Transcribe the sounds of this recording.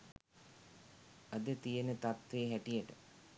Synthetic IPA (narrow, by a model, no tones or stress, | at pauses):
ad̪ət̪ijənət̪at̪ʋeːɦæʈijəʈə